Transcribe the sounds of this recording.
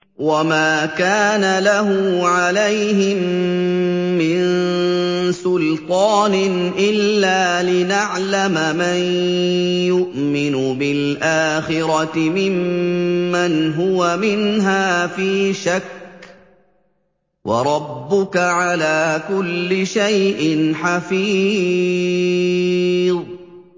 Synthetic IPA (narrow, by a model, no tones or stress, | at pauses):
wamaːkaːnalaɦʊʕalajhɪmː | ɪn | sʊlt̪ˤɑːnɪnʔɪlːaːlɪnaʕlamman | jʊʔmɪnʊbɪlʔaːxɪɾɑt̪ɪmɪmː | anɦʊwamɪnɦaːfiːʃak | wʔɑ̰ɾˤɑbːʊkaʕalaːkʊlːɪʃajʔɪnħafiː | ðˤ